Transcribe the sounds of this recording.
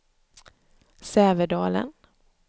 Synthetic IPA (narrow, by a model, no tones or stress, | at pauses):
sɛːvəɖɑːlə̰n